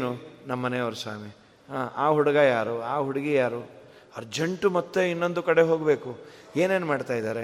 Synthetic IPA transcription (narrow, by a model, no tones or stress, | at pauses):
nunɐmːɐnejɐʋɾusʋa̰ːmi | ɦaːʔaːɦuɽɐɡɐjaːɾuaːɦuɽɐɡijaːɾu | ɐɾd͡ʒeɳʈumɐt̪ːeinːo̞nd̪ukɐɽeɦo̞ːɡbe̞ːkueːne̞ːnumaːɖt̪aːjd̪aːɾe